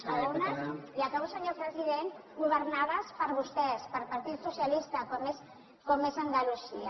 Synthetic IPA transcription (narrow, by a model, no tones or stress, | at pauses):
səlonaiakaβusəɲopɾəziðenɡuβəɾnaðəspəɾβust̪ɛspəɾpaɾt̪it̪susjalist̪akɔmes | kɔmezənd̪aluzia